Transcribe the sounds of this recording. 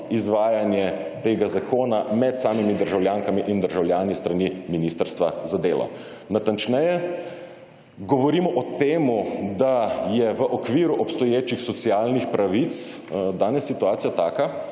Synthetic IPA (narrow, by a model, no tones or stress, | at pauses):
izʋaːjanjɛt̪eːɡazakoːnamɛt̪saːmimid̪əɾʒawljaːŋkamiʔind̪əɾʒawljaːnist̪ɾaniminiːst̪əɾst̪ʋazad̪eːlʔɔ̰ | nat̪ant͡ʃnɛjɛ | ɡɔʋɔɾiːmɔʔɔt̪eːmud̪ajɛʋəʔɔkʋiːɾuʔɔpst̪ɔjeːt͡ʃixsɔt̪siaːlnixpɾaʋit̪s | d̪aːnɛsːit̪uaːt̪sijat̪aːka